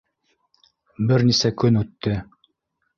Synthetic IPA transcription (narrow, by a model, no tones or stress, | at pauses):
bɘɾnisækɵnʉt̪ːɘ